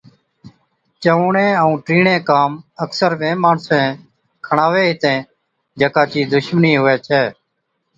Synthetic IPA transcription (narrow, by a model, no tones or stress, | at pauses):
t͡ʃəʋũːɳẽːəũːʈɾiːɳẽːkaːməksəɾʋẽːmaːɳsẽː | kʰəɳaːʋeːɦɪt̪ẽː | d͡ʒəkaːt͡ʃiːd̪ʊʃmniːɦʊʋɛːt͡ʃʰɛː